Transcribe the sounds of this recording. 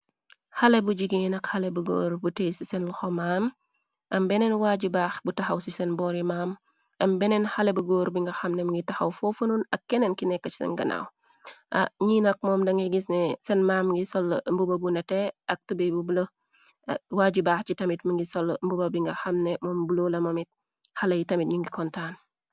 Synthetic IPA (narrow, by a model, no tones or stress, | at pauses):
hɐlɛbuɟiɡinɐkhɐlɛbuɡo̰ːɾbutejsisɛnluxɔmaːm | ʔɐmbɛnɛnwaːɟubaːxbutɐxɐwsisɛnbɔɾimaːm | ʔɐmbɛnɛnxɐlɛbuɡoːɾbiŋɡɐxɐmnɛmɐŋɡitɐxɐwfofununɐkːɛnɛnkinɛkːɐt͡ʃsɛ̰ŋɡɐ̰na̰w | ʔɐɲiːnɐk̚mɔːmdɐŋɡiɡisnɛsɛnmaːmŋɡisɔlmbubɐbunɛtɛɐk̚tubɛbubulə | waːɟibaːxt͡ʃitɐmitməŋɡisɔlmbubɐbiŋɡɐxɐmnɛmɔːmbulolɐmɐmit̚ | hɐlɐjitɐmit̚ɲuŋɡikɔntaːn